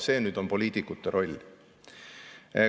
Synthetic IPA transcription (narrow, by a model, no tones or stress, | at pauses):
se̞ːnyːd̪̥o̞npo̞lʲiːt̪ikut̪ːˑeɾʔo̞lʲ | e